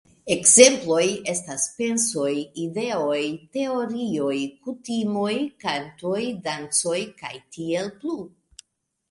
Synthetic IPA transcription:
e̞kze̞mplo̞je̞staspe̞nso̞jide̞o̞jte̞o̞ɾio̞jkutimo̞jkanto̞jdant͡so̞jka̰jtie̞lplu

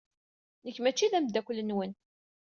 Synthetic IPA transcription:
nəçːmæt͡ʃːiðæmd̪ækʷlːənwən

